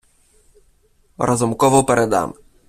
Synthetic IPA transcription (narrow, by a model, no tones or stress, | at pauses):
ɾʔɔzʊmkɔʋɔwpɛɾɛd̪a̰m